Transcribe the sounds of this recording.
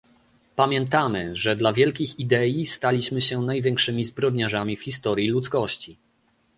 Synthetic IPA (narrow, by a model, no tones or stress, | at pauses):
pamʲjɛnt̪amɘʐɛd̪lavʲjɛlkʲixid̪ɛjist̪alʲiɕmɘɕɛnajvʲjɛ̃ŋkʂɘmʲizbɾɔd̪ɲaʐamʲifxʲist̪ɔɾʲjilut̪skɔɕt͡ɕi